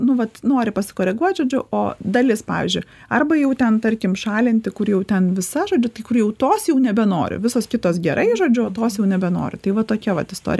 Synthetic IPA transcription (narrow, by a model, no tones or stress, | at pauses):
nʊʋɐt̪noːɾʲɪpɐsʲɪ̥koːɾʲɛɡuɔt̪ʲʒoːd͡ʒʲʊʔoːd̪ɐlʲɪspɑ̰ːʋʲḭːzʲd͡ʒʲʊɪ | ɐrbɐjɛʊt̪ʲɛnt̪ɐɾʲkʲɪmʃɑːlʲɪnʲt̪ʲɪkʊrjɛʊt̪ʲɛnʋʲɪsɐʒoːd͡ʒʲʊt̪ɐɪkʊrjɛʊt̪oːsjɛʊnʲɛbʲɛno̰ːɾʲɪ̰ʋʲɪsoːskʲɪt̪oːsɡʲɛɾʔɐɪʒoːd͡ʒʲʊoːt̪oːsjɛʊnʲɛbʲɛno̰ːɾʲɪ̰t̪ɐɪʋɐt̪oːkʲɛʋɐ̰t̪ɪst̪o̰ːɾʲɪ